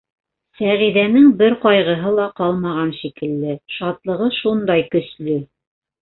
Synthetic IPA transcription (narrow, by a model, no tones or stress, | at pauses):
sæʁiðænɘŋbɘɾqɑjʁɤ̆ɦɤlˠɑqɑlˠmɑʁɑnʃikɘ̆lːɘʃɑt̪lˠɤ̆ʁɤʃund̪ɑjkɵ̆slɵ